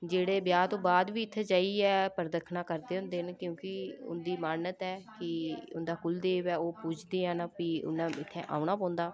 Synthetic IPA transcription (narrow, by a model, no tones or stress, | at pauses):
d͡ʒeːɽeːbjaːt̪õːbaːd̪ʋiːɪt̪ʰːed͡ʒaːiːɛːpəɾd̪əkʰnaːkəɾd̪eːɦʊnd̪eːnkjõːkɪʊ̰nd̪iːmaːnət̪ɛːkɪʊ̰nd̪aːkʊld̪eːʋɛːoːpuːt͡ʃʰd̪eːɛ̃ːnapiːʊ̰nːãːɪt̪ʰːɛːʔa̰ːʊɳ̃aːpɔ̃ːnd̪aː